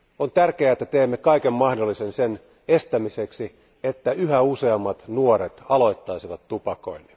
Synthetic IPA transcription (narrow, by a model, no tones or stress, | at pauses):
ont̪ærkeæet̪ːæt̪eːmːekɑikemmɑhdolːisensen | est̪æmiseksi | et̪ːæyhæuseɑmːɑt̪nuoɾet̪ɑlo̞it̪ːɑisiʋɑt̪tupɑko̞̰inːi